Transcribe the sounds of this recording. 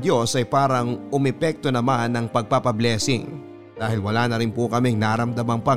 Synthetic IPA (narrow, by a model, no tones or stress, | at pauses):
d̪jo̞sɐjpaːɾɐŋʔʊmɛpɛk̚t̪o̞nɐmanːɐŋpɐɡ̚papɐblɛːsɪ̰ŋ | d̪aːhɪlwɐlaːnɐɾɪnpokɐmɛŋnaːɾɐmd̪ɐmɐŋpɐ